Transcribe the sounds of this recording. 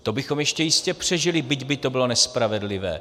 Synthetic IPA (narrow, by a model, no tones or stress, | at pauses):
t̪o̞bɪxomjɛʃcɛjɪscɛpr̥ɛʒɪlɪbɪɟbɪt̪o̞bɪlo̞nɛspɾavɛdlɪvɛ̰ː